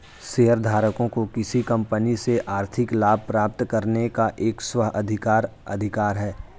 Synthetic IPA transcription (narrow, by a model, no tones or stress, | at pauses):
seːɦəɾd̪ʱaːɾəkõkokɪsikɐ̃mpəniseʔaːɾt̪ʰɪklaːb̚ʱpɾaːp̚t̪kɐɾnekaʔeːkswəɦɐd̪ʱɪkaːɾɐ̰d̪ʱɪkaːɾɦɛː